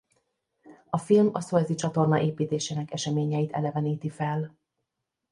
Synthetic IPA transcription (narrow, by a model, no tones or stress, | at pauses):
ɒfilmɒ̰soɛzit͡ʃɒt̪o̞rnɒʔeːpiːt̪eːʃeːnɛkɛʃɛmeːɲɛit̪ɛ̰lɛvɛniːt̪ifɛl